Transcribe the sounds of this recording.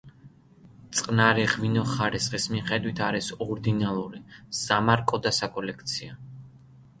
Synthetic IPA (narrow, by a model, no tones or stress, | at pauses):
t̪sʼqʼnaɾiʁvinɔχaɾisχʼismiχɛd̪wit̪ʰaɾisɔɾd̪inalˠuɾiz̥amaɾkʼɔd̪asakʼɔlɛkʰt̪sʰia